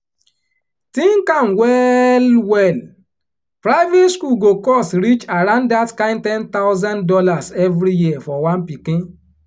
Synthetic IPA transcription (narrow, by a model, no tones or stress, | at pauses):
tĩŋ̩kãnwɛlwɛl | pɾaɪvetskuɡokɔstɾit͡ʃaɾãnddatkãɪ̃ntɛ̃nt̪aʊzãndɔlasɛvɾijiafɔwãnpikĩ